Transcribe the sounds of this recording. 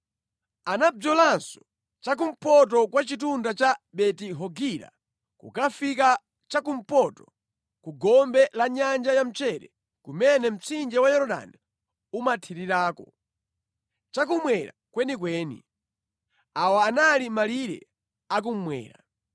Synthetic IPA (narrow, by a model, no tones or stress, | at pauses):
anad͡zɔlansɔ̥ | t͡ʃak̬um̩pɔt̬ɔkwat͡ʃit̬undat͡ʃaɓɛtiɦɔɡiɾa̰ | kṵkafika | t͡ʃakum̩pɔtɔ | kuɡɔmbɛlaɲand͡ʒajam̩t͡ʃɛɾɛ̰ | kumɛnɛm̩t͡sʰind͡ʒɛwajɔɾɔɗa̰ni | umatʰiɾiɾaːkɔ | t͡ʃak̬umwɛɾa̰kwɛnik̬wɛːnḭ | awaːnalimaliɾɛ̰ | ak̬um̩mwɛ̰ːɾa